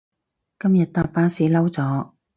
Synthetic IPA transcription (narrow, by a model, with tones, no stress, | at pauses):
kɐ˥mjɐ˨t̚t̪aː˧p̚pːaː˥nsiː˨˧lɐ˥wt͡sɔː˨˥